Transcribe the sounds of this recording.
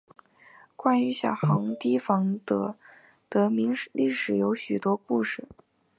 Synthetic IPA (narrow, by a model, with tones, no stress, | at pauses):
kwa˥ny˧˥ɕjɑ˨˩xɑ˧˥ŋt̪i˥fɑ˧˥ŋt̪ɤ˧˥ | t̪ɤ˧˥mi˧˥lʔi˥˩ʂɻ̩˨˩jo˧˥ʊɕy˨˩t̪wɔ˥ku˥˧ʂɻ̩˥˩˦